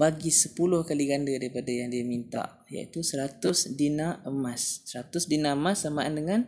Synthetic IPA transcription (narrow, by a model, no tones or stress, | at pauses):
baɡisəpulʊhkaliɡandadaɾipadajaŋdiamint̪a̰ʔ | ja̰ḭt̪usəɾat̪ʊsdinaəmasːəɾat̪ʊsdinaəmasːamaʔandəŋan